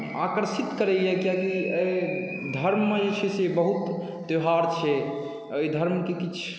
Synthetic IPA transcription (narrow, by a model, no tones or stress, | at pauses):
akəɾsit̪kəɾɛjɛkiãkiəj | d̪ʱəɾmːeet͡ʃʰesebəɦut̪ː | joɦaɾt͡ʃʰɛ | əjd̪ʱəɾmkekit͡ʃʰ